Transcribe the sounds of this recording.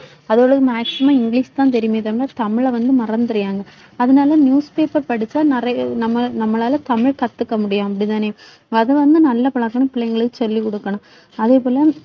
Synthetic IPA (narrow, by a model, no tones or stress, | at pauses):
ɐðoːɭɐðɯmaːksɪmãːɪŋɡɭiːst̪ãːnt̪̬ɛɾɪjmeːt̪ɐmɪɭːaːt̪ɐmɪɭɐʋɐnd̪ɯmɐɾɐnd̪ɯɾɪjaːŋɡɐ | ɐðɐnaːlɐnjuːspeːpɐɾpɐɽɪt͡ʃːaːnɪɾɐnɐmːɐnɐmːɐlaːlɐt̪ɐmɪɭkɐt̪ːɯkːɐmʊɽɪjʊ̃ɐpːɐɽit̪̬aːneː | ɐðɐʋɐnd̪ɯnɐlːɐpɐɭɐkːɐɳɐ̃pɪɭɐŋɡɐɭɯkːɯsɔlːikɔɽɯkːɐɳʊ̃ | ɐðeːpoːlɐ